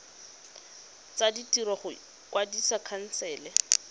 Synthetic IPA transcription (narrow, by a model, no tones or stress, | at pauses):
t͡saditʼiɾɔχʊ | kʼwadisakʰan̩sɛːlɛ